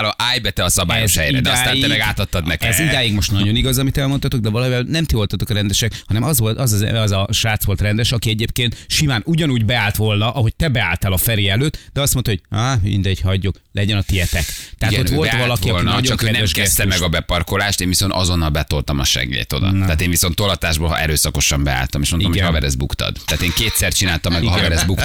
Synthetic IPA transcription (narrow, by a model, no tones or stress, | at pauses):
lɒʔaːjbɛt̪ɛɒsɒba̰ːjoɛʃhɛjɾɛd̪ɛsaːniɛmɛɡaːt̪ɒt̪ːɒd̪nɛkɛzid̪aːjiɡmo̞ʃt̪nɒɟo̞niɡɒzɒmit̪ɛlmot̪ɒt̪oɡ̚d̪ɛvɒlɒivɛlnɛmt̪io̞lt̪ɒt̪okɒɾɛnd̪ɛʃɛkhɒnɛmɒzʋo̞lt̪ɒzɒzɛ̰ɒzɒʃaːt̪sʋo̞lt̪rɛnd̪ɛʃɒkiɛɟeːp̚keːnt̪ʃimaːnuɟɒnuːɟbɛaːlt̪ʋo̞lnɒʔɒɦo̞c̚t̪ɛbɛa̰ːlt̪ɛlɒfɛɾeːɛløːt̪ːd̪ɛɒst̪mo̞nt̪ɒhoɟ̚amḭnd̪ɛɟhɒɟːoklɛɟɛnɒt̪iɛt̪ɛkt̪ɛɦat̪oʋo̞lt̪vɒlɒkiɒlnnɟoɒkøɛnɛɛʃkɛst̪ɛmɛɡɒbɛpɒrko̞laːʃt̪eːnviso̞nt̪ɒzo̞nːɒlbɛt̪o̞lt̪ɒmɒ̰ʃɛ̰ɡḛːt̪o̞̰d̪ɒ̰t̪ɛaːt̪eːɱviso̞nt̪ːolɒt̪aːʒboːlɛ̰ɾøːsɒko̞ʃɒmbɛ̰a̰ːlt̪ɒmeʃmoniomhojvɛɾɛzbukt̪ɒ̰d̪t̪ɛːt̪eːŋkeːt̪sɛrt͡ʃinaːlt̪ɒmːɛɡɒɒvɛɾɛzbuk